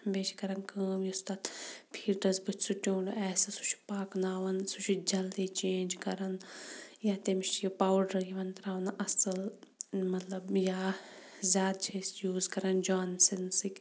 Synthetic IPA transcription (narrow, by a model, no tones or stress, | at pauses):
beːt͡ʃʰi̥kɐɾɐnkəːmjist̪aːt̪pʰiːʈɐzbɨt͡ʃʰsuʈʲoːɳɖɛːsɨsu̥t͡ʃʰpaːknaːʋɐnsut͡ʃʰid͡ʒɐld̪iːt͡ʃẽːnd͡ʒkɐɾɐnjaːt̪emiʃjopaːwɖɐɾjiʋɐnt̪ɾaːʋɐnʔɐsɨl | mɐt̪lɐbjaː | zʲjaːd̪̚t͡ʃʰeːsjuːzkɐɾɐnd͡ʒaːnsinsikʲ